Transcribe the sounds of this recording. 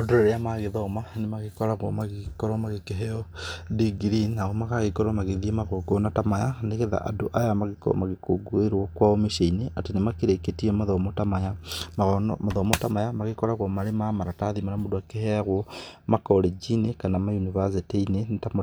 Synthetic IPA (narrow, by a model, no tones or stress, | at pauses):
odoɾeɾejamaɣeðɔmanemaɣekɔɾaɣwomaɣekɔɾɔmaɣekeɦejɔdiɡɾinaɣomakaɣekɔɾɔmaɣeðiemaɣoɡonatamajaneɣeða̰ʔa̰doʔajamaɣekɔ̰maɣekoɡweɾwɔkwaomeʃeineʔatenemakeɾeketiemaðɔmotamajamaɣ̰maðɔmotamajamaɣekɔɾaɣwomaɾemamaɾataðimanamodoakeheaɣwɔmakɔled͡ʒinekanamajunivasitiinenetam